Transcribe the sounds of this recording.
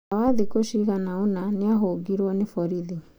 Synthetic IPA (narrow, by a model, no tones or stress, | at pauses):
awaðikoɕiɣanaonaneaɦoɡiɾwɔnefɔɾiðe